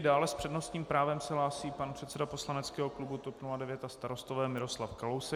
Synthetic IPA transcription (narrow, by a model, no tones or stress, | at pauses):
daːlɛspr̝̥ɛdnost̪ɲiːmpɾaːvɛmsɛɦlaːsiːpanpr̥ɛt̪sɛdapo̞slanɛtt͡skɛːɦo̞klubut̪opnuladɛvjɛt̪ast̪aɾo̞st̪ovɛːmɪɾo̞slafkalowsɛ